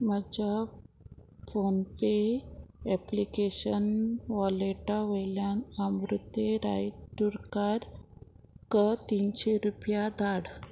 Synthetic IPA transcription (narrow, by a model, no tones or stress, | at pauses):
məd͡ʑa | fonpe | ɛplikeɕənʋɔleʈaʋəjljanəmɾut̪jeɾa̰jt̪uɾkaɾ | kət̪inɕeɾupjad̪aɽ